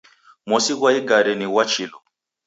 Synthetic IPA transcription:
mɔsiɣwaiɡaɾɛniwat͡ʃilɔ

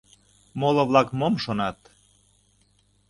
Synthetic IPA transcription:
molŏβlɑkmomʃonɑt̪

